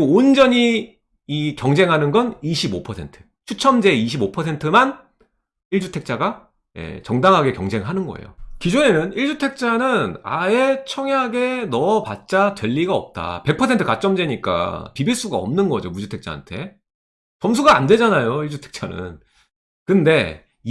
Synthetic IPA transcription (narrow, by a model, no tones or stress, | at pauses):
oond͡ʑʌɲiː | kjʌŋd͡ʑe̞ŋɦanɯnɡʌniɕʰibopʰʌsʰe̞ntʰɯ̥ | t͡ɕʰut͡ɕʰʌmd͡ʑe̞iɕ̬ʰibopʰʌsʰe̞ntʰɯman | iɭd͡ʑutʰe̞k̚t͡ɕ͈aɡa | je̞̰t͡ɕʌŋdaŋɦaɡe̞kjʌŋd͡ʑe̞ŋɦanɯnɡʌ̰ḛjo̰kid͡ʑune̞nɯniɭd͡ʑutʰe̞k̚t͡ɕ͈anɯna̰e̞t͡ɕʰʌŋeaɡe̞nʌpat̚t͡ɕ͈atweʎːiɡaʌp̚t͈a̰pe̞k̚pʰʌsʰentʰɯ̥kat͡ɕ͈ʌmd͡ʑe̞ɲik͈a̰pibiɭs͈uɡaʌ̰mnɯnɡʌ̰d͡ʑomud͡ʑutʰe̞k̚t͡ɕ͈a̰a̰ntʰe̞ | t͡ɕʌms̬ʰuɡaande̞d͡ʑanajoiɭd͡ʑutʰe̞k̚t͡ɕ͈anɯ̰n | kɯnde̞